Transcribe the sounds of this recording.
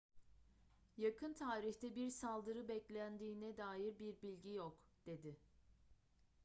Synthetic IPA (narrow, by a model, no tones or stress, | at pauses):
jakʰɯnt̪ʰaːɾiçt̪ɛbiɾsalˠd̪ɯɾɯbɛclʲænd̪iːnɛd̪aːjiɾbiɾbilʲɟijokd̪̥e̞d̪ɪ